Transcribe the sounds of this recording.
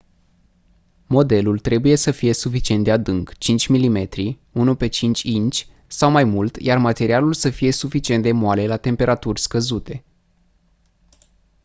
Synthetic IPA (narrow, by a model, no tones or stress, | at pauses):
mo̞d̪e̞lult̪ɾe̞buje̞səfije̞sufit͡ʃiet̪d̪ead̪ɨŋkt͡ʃint͡ʃʲmilime̞t̪ɾi | unupe̞t͡ʃint͡ʃʲint͡ʃʲ | sawmajmult̪jarmat̪e̞ɾialulsəfije̞sufit͡ʃient̪d̪emoale̞lat̪e̞mpe̞ɾʔat̪urʲskəzut̪e̞